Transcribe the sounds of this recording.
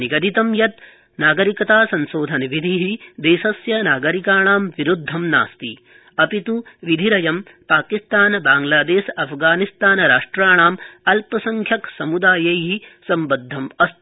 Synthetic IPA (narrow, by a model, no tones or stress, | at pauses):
niɡɐd̪it̪ɐmjɐt̪ | naːɡɐɾikɐt̪aːsɐnsoːd̪ʱɐnʋid̪ʱiɦid̪eːʃɐsjɐnaːɡɐɾikaːɳaːmʋiɾud̪ʱːɐmna̰ːst̪i | ɐpit̪uʋid̪ʱiɾɐjɐm | paːkist̪aːnbaːŋlaːd̪eːʃɐpʰɡaːnist̪aːnɐɾaːʂʈɾaːɳaːmɐlpɐsɐŋkʰjɐksɐmud̪aːjɐjɦisɐmbɐd̪ʱːɐmɐst̪